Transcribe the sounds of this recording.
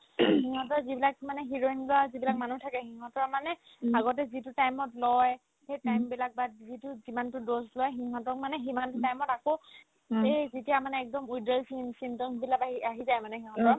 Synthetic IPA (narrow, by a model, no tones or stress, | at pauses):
xiɦɔ̃tɔɹzibilakmanɛɦiɹoinzuazibilak̚manutʰakɛxiɦɔ̃tɔɹmanɛ | aɡɔt̬ɛzitʊtajmɔtlɔj | xejtajmbilak̚batzitʊzimantʊdoslɔjxiɦɔ̃tɔkmanɛximantʊtajmɔtako | ejzitijamanɛɛk̚dɔmujdɛlsinsintɔbilakaiaɦizajmanɛxĩɦɔ̃tɔɹ